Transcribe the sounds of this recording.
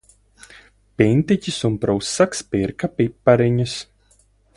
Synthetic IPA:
pʲint̪icʲisumpɾɔwsːakspiɾkapipːaɾiɲus

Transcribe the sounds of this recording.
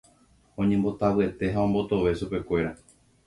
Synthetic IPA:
õ̞ɲẽmbo̞t̪awɨe̞t̪e̞ɦaõ̞mbo̞t̪o̞ʋe̞ʃupe̞kʷe̞ɾa

